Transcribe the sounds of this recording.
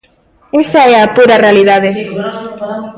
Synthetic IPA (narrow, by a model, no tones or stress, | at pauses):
esɐɛɐpuɾɐrealiðaðe